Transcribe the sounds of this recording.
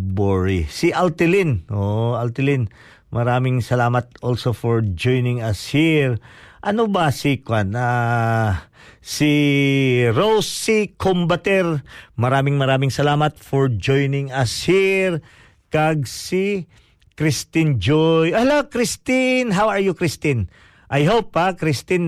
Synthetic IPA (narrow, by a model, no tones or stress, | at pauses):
boɹḭsiʔalt̪ɪlinʔoʔɐlt̪ɪlin | mɐɾaːmɪŋsɐlaːmɐt̪̚ʔolsofɔɹd͡ʒojnɪŋɐshiɹʔɐnobɐsikwana | si | ɾowsːikombɐt̪ɛɹmɐɾaːmɪŋmɐɾaːmɪŋsɐlaːmɐt̪fɔɹd͡ʒojnɪŋɐshiɹ | kɐɡ̚si | kɾɪst̪ɪnd͡ʒojʔɐlokɾɪst̪ɪnɦawɐɹjʊkɾɪst̪ɪn | ʔɐjɦowp̚ːɐkɾɪst̪ɪn